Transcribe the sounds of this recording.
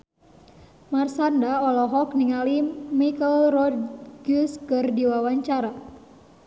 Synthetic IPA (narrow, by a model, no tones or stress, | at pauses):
marsandaɔlɔɦɔkniŋalimikəlrɔdɡuskərdiwawaɲt͡ʃaɾa